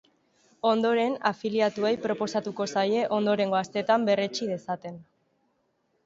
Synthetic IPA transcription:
o̞nd̪o̞ɾe̞nafiliat̪uejpɾo̞po̞sat̪uko̞saje̞ʔo̞nd̪o̞ɾe̞ŋɡo̞ast̪e̞t̪ambe̞ret͡ʃið̞e̞sat̪e̞n

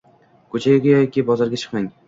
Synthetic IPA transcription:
kʰɵt͡ʃʰaɡʲaɡʲajɒjekʲibɒzaɾɡʲat͡ʃʰɨ̥qmaŋ

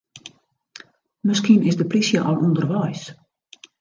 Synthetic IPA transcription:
mɪskinɪsdəplisjəʔɔlˠʔundərʋɛjs

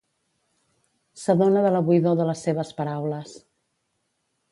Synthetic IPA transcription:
səðonəðələβuiðoðələsːeβ̞əspəɾawləs

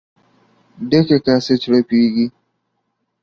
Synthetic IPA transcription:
dekekaset͡ʃɾɐɸiɡʲi

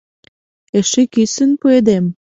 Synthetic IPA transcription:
eʃikisə̆npued̪em

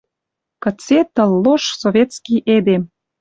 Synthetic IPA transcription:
kə̆t͡set̪ə̆lːoʃsoβʲet̪t͡skiʔed̪em

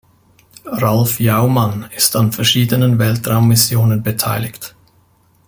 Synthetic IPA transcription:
ʁalfjaʊmanɪstanfɛɐʃiːdənənvɛltʁaʊmːɪsjoːnənbətʰaɪlɪçt

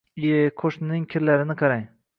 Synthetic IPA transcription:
kʰoʃnnɪŋkʲʰɪɾlaɾɪnɪqʰɑɾaj

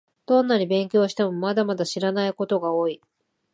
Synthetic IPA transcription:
d̪̥õ̞nːaɲʲibẽ̞ŋkʲo̞ːɕi̥t̪emomad̪amad̪aɕiɾanaiko̞t̪o̞ɡaoːi

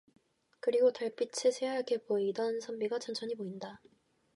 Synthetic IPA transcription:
kɯɾiɡotaɭp͈it͡ɕʰɯsʰeɦaɭkʰepoeidʌnsʰʌmbiɡat͡ɕʌnt͡ɕʰʌɲimoinda

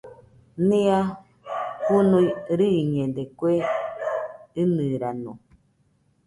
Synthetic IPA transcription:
nĩa | hunuiɾɨɲẽdekwe | ɨnɨɾano

